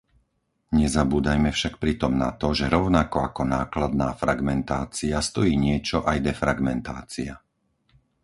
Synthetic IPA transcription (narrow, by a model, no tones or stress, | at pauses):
ɲɛzabuːd̪ajmɛfʃak̚pɾit̪ɔmna̰t̪ɔʒɛɾɔʊnakɔakɔnaːklad̪̚naːfɾaɡmɛnt̪aːt͡siast̪ɔjiːɲɪɛt͡ʃɔʔajd̪ɛfɾaɡmɛnt̪aːt͡sia